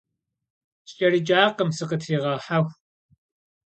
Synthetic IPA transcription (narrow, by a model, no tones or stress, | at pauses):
ɕɕʼɐrɨd͡ʒʼaːqəmsɨqətʰiːʁɑħaxʷ